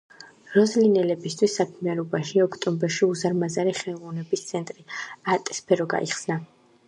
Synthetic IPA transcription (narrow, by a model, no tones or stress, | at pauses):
ɾɔzlinɛlɛbist̪ʰwisːakʰmianɔbaʃiɔkʰt̪ʼɔmbɛɾʃiuzaɾmazaɾiχɛlˠʁɔvnɛbist̪sʰɛnt̪ʼɾiat̪ʼɛ̥spʰɛɾɔɡa̰ʔiχsna